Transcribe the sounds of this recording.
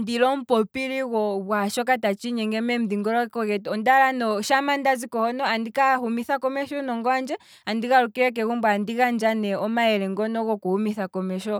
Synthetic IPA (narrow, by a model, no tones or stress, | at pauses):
ndilɔm̩pɔpiɾiɣɔβwaʃɔkatat͡ʃiɲɛŋɡɛmɛm̩diŋɡɔɾɔkɔɣɛtɔndaɾanɔʃamandazikɔhɔnɔandikahumiθakɔmɛʃɔnɔŋɡɔand͡ʒɛ | andiɣaɾukiɾɛk̬ɛɣumbwandiɣand͡ʒanɛɔmaɛɾɛŋɡɔnɔɣɔkuhumiθakɔmɛʃɔ